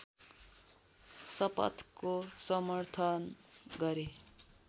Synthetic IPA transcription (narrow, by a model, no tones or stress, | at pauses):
sʌpʌ̰t̪kosʌmʌrt̪ʰʌnɡʌɾe